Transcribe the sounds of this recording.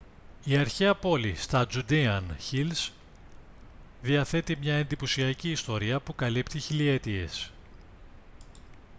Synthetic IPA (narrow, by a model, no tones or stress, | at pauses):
iɐɾçeɐpo̞list̪ɐd͡zud̪iɐnçils | ðiɐθe̞t̪imɲɐe̞nd̪iposiɐciːst̪o̞ɾiɐpukɐlipt̪içiliet̪ie̞s